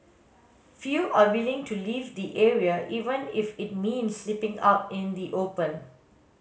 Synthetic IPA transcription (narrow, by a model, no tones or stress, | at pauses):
fjuʔawɪlɪ̃ŋtuliːvd̪iʔeɹiəʔiːvə̃nɪfɪt̚mĩnsːlipɪ̃ŋa̰pɪ̃nd̪iʔopə̃n